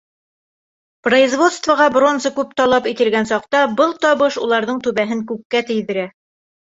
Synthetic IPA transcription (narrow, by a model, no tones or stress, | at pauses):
prɐizvo̞t̪st̪vəʁɑbro̞nzɤkʉp̚t̪ɒlˠɑpit̪ɘ̆lɡænsɑqt̪ɑbɤlˠt̪ɒβɤʃulˠɑɾðɤɴt̪ʉβæɦɘŋkʉkːæt̪ɘ̆jðɘ̆ɾæ